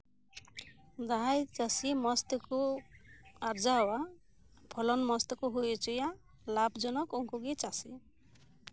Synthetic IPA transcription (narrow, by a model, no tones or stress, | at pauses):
d͡ʒaɦajt͡ʃasimɔst̪ɔku | aɾd͡ʒaɦwa | pʰɔlɔnmɔst̪ɔkuɦujt͡ʃuja | labd͡ʒɔnɔkuŋkuɡit͡ʃasi